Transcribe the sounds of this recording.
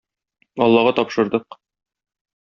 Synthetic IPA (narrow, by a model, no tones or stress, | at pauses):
ɒlˠːɑʁɑt̪ɒpʃɤ̆ɾd̪ɤq